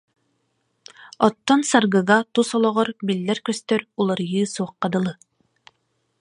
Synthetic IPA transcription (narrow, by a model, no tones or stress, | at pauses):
ɔt̪ːɔnsaɾɡɯɣat̪usɔlˠɔʁɔɾbilːɛɾkɵst̪œɾulˠaɾjɯːsuɑq̚ːɑd̪ɯ̆lˠɯ